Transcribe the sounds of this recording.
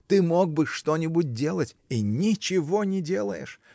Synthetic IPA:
t̪ɨmoɡ̚bɨʂt̪onʲɪbʊt̚ʲdʲe̞lˠətʲinʲɪt͡ɕɪvo̞nʲɪdʲe̞lˠə̰jɪ̰ʂ

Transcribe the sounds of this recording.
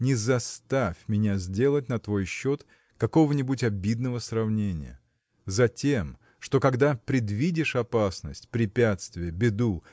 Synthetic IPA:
nʲɪzɐst̪afʲmʲɪnʲazʲdʲelˠət̚ʲnɐt̪vo̞jɕːot̪ | kɐko̞vənʲɪbutʲɐbʲid̪nəvəsrɐvnʲenʲɪ̰jə̰ | zɐtʲem | ʂt̪o̞kɐɡd̪apɾʲɪd̪vʲidʲɪʂɐpasnəsʲtʲpɾʲɪpʲat̪st̪vʲɪjəbʲɪd̪u

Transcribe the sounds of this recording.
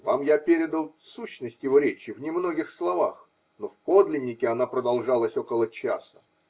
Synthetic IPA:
vamjapʲeɾʲɪd̪əlˠsuɕːnəsʲtʲjɪvo̞ɾʲet͡ɕɪvnʲɪmno̞ɡʲɪxslˠɐvax | no̞fpo̞d̪lʲɪnʲːɪkʲɪɐnapɾəd̪ɐlˠʐalˠəsʲo̞kəlˠət͡ɕa̰sə̥

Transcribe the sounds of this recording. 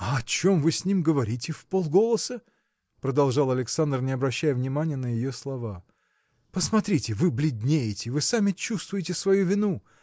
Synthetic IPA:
ɐɐt͡ɕo̞mvɨsʲnʲimɡəvɐɾʲitʲɪfpolˠɡo̞lˠəsə | pɾəd̪ɐlˠʐɑlˠɐlʲɪksand̪rnʲɪɐbɾɐɕːæjəvnʲɪmanʲɪjənəjɪjoslˠɐva | pəsmɐt̪ɾʲitʲɪvɨblʲɪd̪ʲnʲejɪtʲɪvɨsamʲɪt͡ɕːust̪vʊjɪtʲɪsvɐjuvʲɪnu

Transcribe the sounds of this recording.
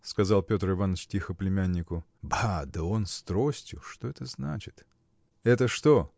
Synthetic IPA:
skɐzalˠpʲo̞t̪rɨvanət͡ɕtʲixəplʲɪmʲænʲːɪkʊ | bad̪əo̞nst̪ɾo̞sʲtʲjʊʂt̪o̞ɛt̪əzna̰t͡ɕɪ̥t̪ | ɛt̪əʂt̪o̞

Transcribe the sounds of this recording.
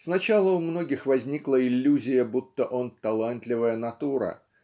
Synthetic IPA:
snɐt͡ɕalˠəʊmno̞ɡʲɪxvɐzʲnʲiklˠəɪlʲːuzʲɪjəbut̪ːəʔont̪ɐlˠant̪lʲɪvəjənɐt̪uɾə̰

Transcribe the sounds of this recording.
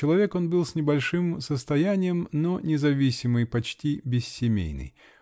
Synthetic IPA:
t͡ɕɪlˠɐvʲe̞ko̞nbɨlˠsʲnʲɪbɐlʲʂɨmsəst̪ɐjænʲɪjəmnonʲɪzɐvʲisʲɪmɨjpɐt͡ɕtʲibʲɪsːʲɪmʲḛjnɨ̰j

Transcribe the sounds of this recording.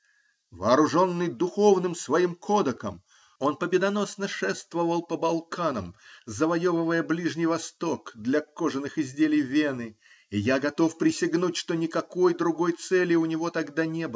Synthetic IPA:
vɐːɾʊʐo̞nːɨjd̪ʊxo̞vnɨmsvɐimkʰo̞d̪əkə̰m | o̞npəbʲɪd̪ɐno̞snəʂɛst̪vəvəlˠpəbɐlˠkanəmzəvɐjovɨvəjəblʲiʐnʲɪjvɐst̪o̞kd̪lʲɐkoʐɨnːɨxɪzʲdʲelʲɪjvʲenɨ | ɪjaɡɐt̪o̞fpɾʲɪsʲɪɡnutʲʂt̪onʲɪkɐkojd̪ɾʊɡo̞jt̪sɛlʲɪʊnʲɪvo̞t̪ɐɡd̪anʲe̞bɨ

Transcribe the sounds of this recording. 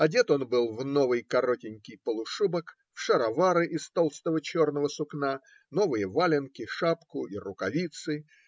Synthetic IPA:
ɐdʲe̞t̪o̞nbɨlˠvno̞vɨjkɐɾo̞tʲɪnʲkʲɪjpəlˠʊʂubək | fʂəɾɐvaɾɨʔɪst̪o̞lˠst̪əvət͡ɕo̞rnəvəsʊkna | no̞vɨjəvalʲɪnkʲɪʂapkʊirʊkɐvʲit̪sɨ

